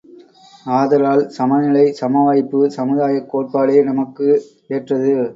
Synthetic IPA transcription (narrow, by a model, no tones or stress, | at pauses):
aːðɐɾaːlsɐmɐnɪlɐɪsɐmɐʋaːjɪpːɯsɐmɯðaːjɐkːoːʈ̚paːɭeːnɐmɐkːɯ | eːʈrɐðɯ